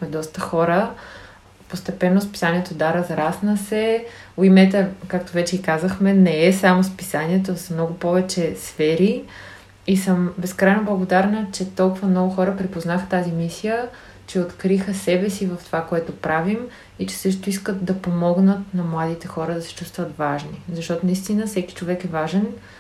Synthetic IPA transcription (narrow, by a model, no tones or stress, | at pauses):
ɛd̪ɔst̪əxɔɾə | post̪ɛpɛnːospi̥saniɛt̪od̪aɾɐzɾasnəsɛ | oimɛt̪ɛkakt̪ovɛt͡ʃɛikazəxmɛnɛɛsamospisaniɛt̪̬osmnɔɡʊpɔvɛt͡ʃɛsfɛɾi | isəmbɛskɾajnoblˠəɡod̪aɾnət͡ʃɛt̪ɔlˠkʊvəmnɔɡʊxɔɾəpɾipoznaxə̥t̪azimisijə | t͡ʃɛot̪kɾixəsɛbɛsivɐft̪ovakoɛt̪opɾavim | it͡ʃɛ̥sɤʃ̬t̪oiskət̪̚d̪ɐpomɔɡnət̪nɐmlˠad̪it̪ɛxɔɾəd̪ɐsɛ̥t͡ʃust̪vət̪vaʒnizɐʃt̪ɔt̪onɐist̪inəfsɛki̥t͡ʃovɛkɛvaʒɛn